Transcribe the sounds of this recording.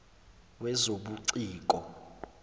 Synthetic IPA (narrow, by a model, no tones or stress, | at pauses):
wɛzoɓuǀiːk̬ʼɔ